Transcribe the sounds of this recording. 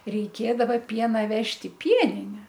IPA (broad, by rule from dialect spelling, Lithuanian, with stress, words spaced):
rʲɛɪˈkʲeːdɐʋɐ ˈpʲiɛnɐ ˈʋʲɛʃʲtʲ ɪ ˈpʲiɛnʲɪnʲɛ